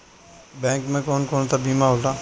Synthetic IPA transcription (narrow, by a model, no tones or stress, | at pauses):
bɛ̃ːŋkmẽkoːnkoːnt̪abiːmaɦoːʈaː